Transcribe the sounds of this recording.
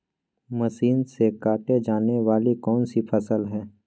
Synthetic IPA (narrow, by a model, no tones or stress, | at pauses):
məʃiːnsekaːʈed͡ʒaːneʋaːlikɔːnsipʰəsəlɦɛː